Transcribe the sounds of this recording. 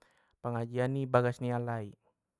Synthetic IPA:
pəŋad͡ʒianːibaɡasnialai

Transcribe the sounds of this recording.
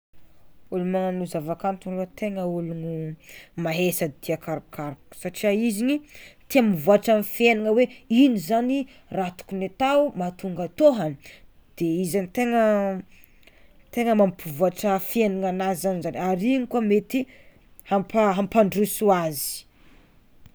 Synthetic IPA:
ulumananuzavakant̪unlut̪eŋəulunumaɦesad̪̥iakaɾkaɾksaʈ͡ʂiaizinit̪iamivuaʈ͡ʂamfieniŋəweinizani | rat̪u̥kunet̪awmat̪uŋɡat̪oɦani̥ | d̪̥eizanit̪eŋə | t̪eŋəmampivuaʈ͡ʂəfieniŋanazizanizanaɾinikuamet̪i | hampaɦampaɳɖ͡ʐusuazi̥

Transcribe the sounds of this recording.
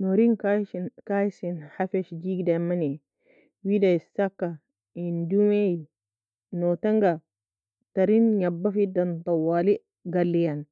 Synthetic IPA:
nɔɾinkakajsinhafɛʃd͡ʒiɡidamani | widasakːa | indumej | nɔtaŋɡa | taɾinɲabːafidant̪awali | ɡalːijan

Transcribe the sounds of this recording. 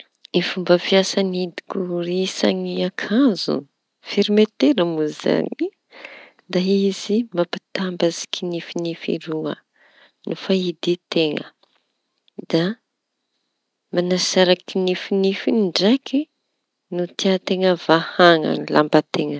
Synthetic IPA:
ifumbəfiasanid̪i̥kuɾisa̰ŋiakʰanzṵ | fiɾimet̪eɾəmuza̰ɲi | d̪aizimapi̥t̪ambazi̥kʰinifinifḭɾuə̰ | nufaid̪it̪eŋə̰ | d̪a | manasaɾakinifinifinɳɖ͡ʐakʰi | nut̪iat̪eŋəvahaŋa̰nila̰mbat̪eŋə

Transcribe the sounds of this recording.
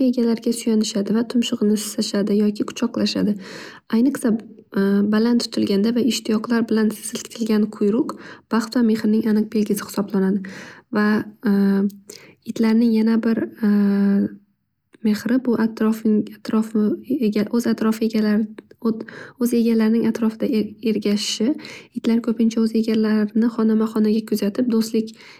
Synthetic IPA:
e̞ɡʲalaɾɡʲasʊjanɪʃad̪ɪvat̪ʰʊmʃʊʁnɪsɪ̥saʃad̪ɪjɒkʲʰɪkʰʊ̥t͡ʃʰɒqlˠaʃa̰d̪ɪ | ajnɨqsa | balant̪ʰːʊ̥t̪ʰɪlɡʲand̪avaɪʃt̪ʰɪjɒqlˠaɾbɪlansɪz̥ɪlkʲt̪ʰɪlɡʲanqʰʊjɾʊqb̥aχt̪vame̞χɾɪnɪŋanɨq̚be̞lɡʲɪsɪ̥hɪ̥sɒblanad̪ɪva | ɪt̪laɾnɪŋjanabɪɾ | me̞hɾɪbʊʔat̪ɾɒfat̪ʰɾɒfɡʲaʔɵzat̪ɾɒfɪeɡʲalaɾ | ɵze̞ɡʲalaɾɪnɪŋat̪ʰɾɒfɪd̪ae̞ɾɡʲaʃɪʃɪɪt̪laɾkʲʰɵpɪnt͡ʃʰaɵze̞ɡʲalaɾɪnɪχɒnamaχɒnaɡʲakʰʊzat̪ʰɪp̚d̪ost̪lɪkʲ

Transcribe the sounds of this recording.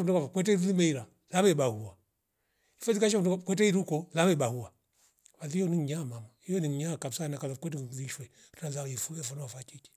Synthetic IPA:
mdɛkavakwɛt̬ɛiilimɛiɾa | laβɛibahua | ifɛzikaʃ̬ɔmɔkwɛtɛiɾukɔzaβɛiɓahuwa | βaðijɔniŋ̩ɲamamaijɔniŋ̩ɲakabsanakaakwɛtɛðiʃwɛ | ɾnazaifulɛfɔnawafat͡ʃit͡ʃi̥

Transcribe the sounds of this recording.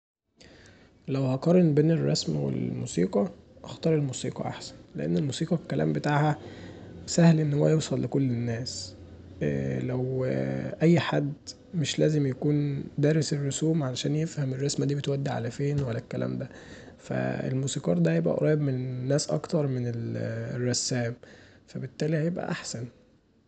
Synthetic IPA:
læwhæqɑɾˤenbeːnerˤːɑsmwḛlmṵːsiːqɑʔɑxt̪ɑːɾˤelmuːsiːqɑ̰ʔa̰ħsæ̥nleʔenːelmuːsiːqɑkːælæ̰ːmbet̪aːʕhæ | sæhlʔenːhowæjewsˤɑlːekolːenːæːs | læwʔæjːħad̪ | meʃlæːzemjækuːnd̪æːɾeserːosuːmʕalæʃæːnjefhæmerˤːɑsmæd̪iːbet̪wæd̪ːiʕa̰læfeːnwælːækːælæ̰ːmd̪æ | fæ̰ḛlmuːsiːqɑːɾˤd̪æhæjebʔæ̰ʔɾˤɑːjebmennːæːsʔɑ̰kt̪ɑɾˤmenelrˤːɑsːæːm | fæbet̪ːæːlihæjebʔæ̰ʔaħsæn

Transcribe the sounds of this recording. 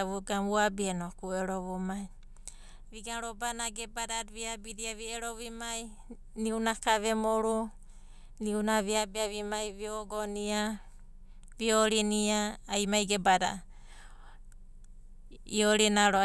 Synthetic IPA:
βuɡamuabienokueɾoβumaj | βiɡaɾobanaɡebadaβiabidiaβieɾoβimaj | niunakaβemoɾu | niunaβiabiaβimajβioɡonia | βioɾiniaːjmajɡebada̰ | ioɾinaɾo

